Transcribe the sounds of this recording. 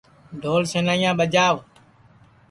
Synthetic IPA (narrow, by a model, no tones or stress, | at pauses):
ɖ̪ʱoːlseːnaːjãːɓəd͡ʒaːʋ